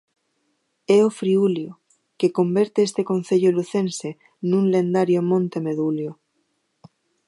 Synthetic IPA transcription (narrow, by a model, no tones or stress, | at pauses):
eofɾiuljo | keko̞mbeɾt̪eest̪ekon̟θeʎoluθẽnse | nũnlẽnd̪aɾjomõnt̪emeðuljo